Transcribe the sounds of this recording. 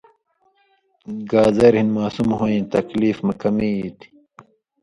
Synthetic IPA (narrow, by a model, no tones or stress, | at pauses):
ɡaːzeːɾhinmaːsumɦoːĩt̪ɐkliːfmɐkɐmiiːt̪i̥